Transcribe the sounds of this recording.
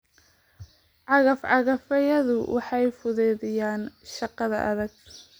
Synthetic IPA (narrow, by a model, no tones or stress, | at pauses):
ʕɑɣɐfʕɑɣɐfɐjɐðʊwʔɑħɑjfʊðɛːðɪjaːnʃɑqɑðɐ̰ʔɐðɐɡ̚